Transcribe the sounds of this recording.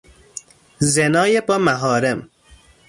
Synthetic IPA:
zenɒːjebɒːmæɦɒːɾem

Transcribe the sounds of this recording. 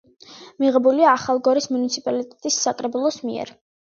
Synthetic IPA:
miʁɛbuliaːχalˠɡɔɾismunit̪sʰipʼalit̪ʼɛt̪ʼisːakʼɾɛbulˠɔsmḭɛ̰ɾ

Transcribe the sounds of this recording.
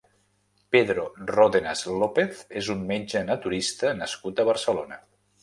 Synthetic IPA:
peðɾoroðenazlopeθezunmmed͡ʒənət̪uɾist̪ənəskut̪əβəɾsəlonə

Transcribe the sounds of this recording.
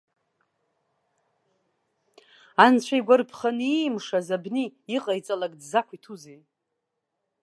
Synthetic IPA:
ant͡ɕʷʰajɡʷarpʰχanimʂazabniːqʼajt͡sʼalakʼdzakʷʰitʰuzej

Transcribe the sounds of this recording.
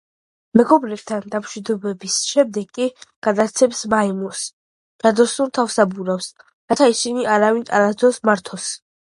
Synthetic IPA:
mɛɡɔbɾɛb̚t̪ʰand̪amʃwid̪ɔbɛbisʃɛmd̪ɛɡkːʼiɡ̥ad̪at̪sʰɛpsmaimɔs | ɾad̪ɔsuɾt̪ʰafsabuɾafs | ɾat̪ʰaisiniaɾavinʼaɾad̪ɔsmaɾt̪ʰɔs

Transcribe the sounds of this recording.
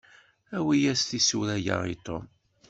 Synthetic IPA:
æwijæsθisuɾæja̰it̪o̰m

